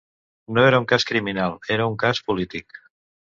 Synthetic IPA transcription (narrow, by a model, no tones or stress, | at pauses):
noeɾauŋkaskɾiminalˠeɾəuŋkaspulit̪ik